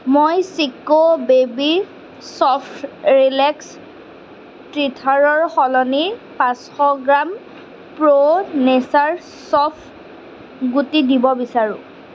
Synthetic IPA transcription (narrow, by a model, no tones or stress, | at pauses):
mojsikobebi | sɔpʰɹilɛks | tɹitʰaɹɔɹxɔlɔnipãsxɔɡɹam | pɹonesaɹ | sɔpʰ | ɡutidibɔbisaɹʊ̰̃